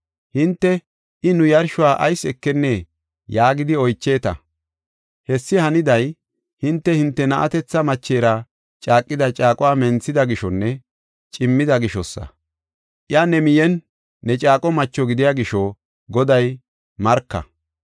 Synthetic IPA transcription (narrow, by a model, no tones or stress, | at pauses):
hɪnt̪ːɛ | ʔɪnʊjɐɾʃʊwaːʔɐjsɛkːɛnːe | jaːɡɪd̪ɪɔjt͡ʃːeːt̪ɐ̰ | hɛsːɪhɐnɪd̪ɐj | hɪnt̪ːɛhɪnt̪ːɛnɐʔɐ̰t̪ɛt͡sːɐmɐt͡ʃːe̞ːɾɐ | t͡ʃʼaːkʼːɪd̪ɐt͡ʃʼaːkʼɔwaːmɛnt͡sːɪd̪ɐɡɪʃɔnːɛ | t͡ʃʼɪmːɪd̪ɐɡɪʃɔsːɐ̰ | ʔɪanɛmɪjɛnː | ɛt͡ʃʼaːkʼɔmɐt͡ʃːɔɡɪd̪ɪjaɡɪʃɔ | ɡɔd̪ɐj | mɐɾkːɐ̰